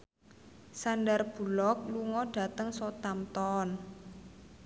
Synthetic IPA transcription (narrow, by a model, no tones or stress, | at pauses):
sandarb̥ṳlɔk̚luŋɔɖ̥a̤t̪əŋsɔt̪amt̪ɔn